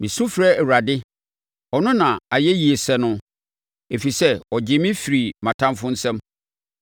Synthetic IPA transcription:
mĩ˨sʊ̃˦fɾɛ˦˨wɾa˨dɪ˦ | ɔ˨nʊ̃˦nã˨a˨jɛ˦ji˨e˨sɛ˨nʊ̃˦ | e˨fi˨sɛ˦ɔ˨d͡ʑɪ˨mɪ̃˦fi˨ɾi˨mã˨tʰã˦mfʊ̃˦n̩˦sɛ̃˦m

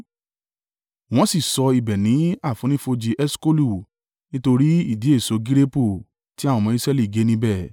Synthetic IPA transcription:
w̃ɔ̃˦si˦˨sɔ˧i˨bɛ˨nĩ˨˦a˦˨fũ˨˦nĩ˦fo˧d͡ʒi˧ʔɛ˦sko˦lu˦˨ | nĩ˦to˧ɾi˦i˦˨di˨˦e˦˨so˨˧ɡi˦ɾe˦po˦˨ | ti˦a˦˨wɔ̃˧mɔ̃˧i˦sɾɛ˦li˦˨ɡe˨˦nĩ˧bɛ˦˨

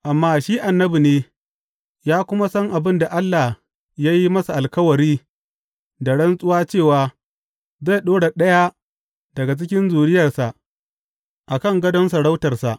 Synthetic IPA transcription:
ʔa˨mːaː˦ʃiː˦ʔa˨nːɐ˦bi˨neː˦ | jaː˦kʷʊ˦ma˦sɐ˦ŋʔa˨bɪ˦nda˨ʔa˦lːa˨h | ja˦ji˦mɐ˦sa˨ʔa˨lkɐ˦wɐ˨ɽiː˦ | da˨ɽɐ˦nsʼʊ˦waː˦t͡ʃeː˦˨waː˨ | za˦˨ɗoː˦ɽa˨ɗɐ˦ja˦ | dɐ˨ɡa˨t͡ʃɪ˦kʲɪ˦nzuː˨ɽɪ˦jɐ˨rsa˨ʔ | ʔa˨kɐ˦˨ŋɡɐ˦dɐ˦nsa˨ɽa˦wtɐ˨rsa̰˨ʔ

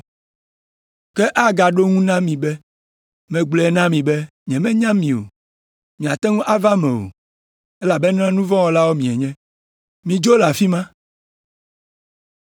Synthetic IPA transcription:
kɛ˦ʔa˦ɡa˨ɖo˦ŋũ˦nã˦mĩ˨bɛ˦ | mɛ̃˨ɡ͡blɛ˨ɛ˦nã˦mĩ˨bɛ˦ | ɲɛ̃˨mɛ̃˦ɲã˦mĩ˨o̰˨ | mĩ˨a˨t̪ɛ˦ŋũ˦ʔa˦va˦mɛ̃˨wo̰˨ | e˦la˨bɛ˦n˦ã˦nũ˦vɔ̃˦wɔ˦la˦wo˦mĩ˨ɛ˨ɲɛ̃˦ | mĩ˨d͡ʒo˦la˨fi˦mã˦

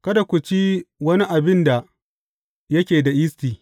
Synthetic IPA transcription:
kɐ˦da˨kʷu˨t͡ʃi˦wɐ˦ni˦ʔa˨bɪ˦nda˨ | jɐ˦kʲeː˨da˨ʔɪ˦stiː˨

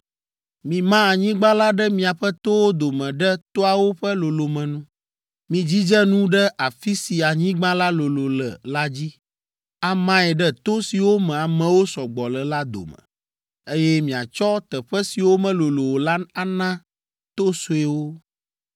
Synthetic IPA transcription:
mĩ˨mã˦a˨ɲĩ˦ɡ͡bã˦la˦ɖɛ˦mĩ˦a˨ɸɛ˦t̪o˦wo˦d̪o˨mɛ̃˨ɖɛ˦t̪o˦a˨wo˦ɸɛ˦lo˨lo˨mɛ̃˨nũ˦ | mĩ˨d͡ʑi˦d͡ʒɛ˦nũ˦ɖɛ˦ʔa˨fi˦si˨a˨ɲĩ˦ɡ͡bã˦la˦lo˨lo˨lɛ̰˨la˦d͡ʑi˦ | a˨mã˦ɛ˨ɖɛ˦t̪o˦si˨wo˦mɛ̃˨a˨mɛ̃˨wo˦sɔ˨ɡ͡bɔ˨lɛ˨la˦d̪o̰˨mɛ̰̃˨ | e˦jɛ˦mĩ˨a̰˨t͡ʃɔ˦t̪ɛ˨ɸɛ˦si˨wo˦mɛ̃˦lo˨lo˨wo˨la˦a˦nã˦ | t̪o˦so˨e˨wo˦

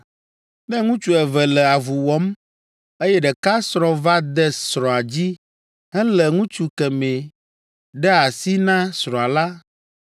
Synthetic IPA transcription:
nɛ̃˦ŋũ˦t͡ʃu˦ɛ˨vɛ˨lɛ˨a˨vu˨wɔ˦m | e˦jɛ˦ɖɛ˨ka˦sɾɔ̃˦va˦d̪ɛ˦sɾɔ̃˨a˨d͡ʑi˦ | ɦɛ̃˦lɛ˨ŋũ˦t͡ʃu˦kɛ˨mẽ˨ | ɖɛ˦a˨si˦nã˦sɾɔ̃˨a˨la˦

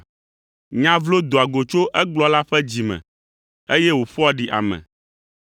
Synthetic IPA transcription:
ɲã˦vlo˦d̪o˨a˨ɡo˨t͡ʃo˦ʔɛ˦ɡ͡blɔ˦la˦ɸɛ˦d͡ʑi˨mɛ̰̃˨ | e˦jɛ˦wo˨ɸɔ˦a˦ɖi˨ʔa̰˨mɛ̰̃˨

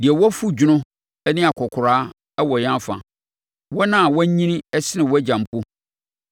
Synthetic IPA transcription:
di˨ɛ˨wɔ˦fu˦d͡ʑʊ˦nʊ̃˦ | ɛ˦nɪ̃˦a˨kʰɔ˨kʰʊ˨ɾaː˦ | wɔ˨jã˦fã̰˨ | wɔ˦nã˦˨wɔ˦ɲĩ˦nĩ˦ɛ˦sɪ˦nɪ̃˨wɔ˦æ˦d͡ʑã˨m˨pʰʊ˦

